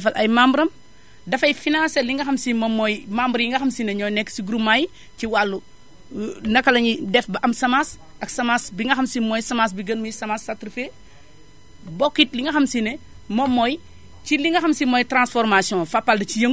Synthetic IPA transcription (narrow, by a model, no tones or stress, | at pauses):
ɐfɐlʔɐjmambɾɐm | dɐfɐjfinãnsɛlːiŋɡɐxɐmsimɔmːɔjmambɾjiŋɡɐxɐmsinɛɲɔjnɛkːsiɡuɾumaj | ciwalːu | nɐkːɐlɐɲidɛfbɐʔɐmsɐmaːs | ɐksɐmasbiŋɡɐxɐmsimɔjsɐmas̬biɡɐnmɐjsɐmasːatɾufe | bɔkːit̚liŋɡɐxɐmsinɛ | mɔmːɔj | ciliŋɡɐxɐmsimɔjtɾãnsfɔɾmasjɔ̃fapːɐldɐcijɐŋ